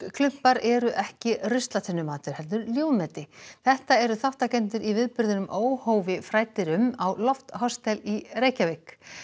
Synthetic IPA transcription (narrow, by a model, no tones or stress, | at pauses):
kʰlʏm̥paɾɛɾʏʔɛhcɪrʏst̪lat̪ʰɪnːʏmaːt̪ʏɾ̥hɛlt̪̬ʏɾljoːwmɛt̪ɪθɛht̪aɛɾʏθawht̪acɛnt̪̬ʏɾʔivɪðpʏɾðɪnʏmʔoːwhoːwvɪfɾaːjt̪ɪɾʏmawlɔft̪hɔst̪ɛlireːjcavɪk